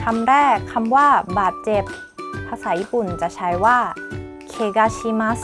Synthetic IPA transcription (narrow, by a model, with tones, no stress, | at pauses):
kʰa˧mɾɛː˥˩kʰːa˧mwaː˥˩baː˨˩t̪̚t͡ɕe˨˩p̚ | pʰːa˧sa˨˩˦jiː˧˩pu˨˩nt͡ɕa˨˩t͡ɕʰa˦˥jwaː˥˩ | kʰeː˧˩ɡaː˧t͡ɕʰiː˧ma˦˥s